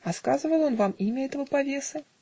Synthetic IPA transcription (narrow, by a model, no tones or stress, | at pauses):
ɐskazɨvəjonvamimʲɐɛt̪əvəpavʲesɨ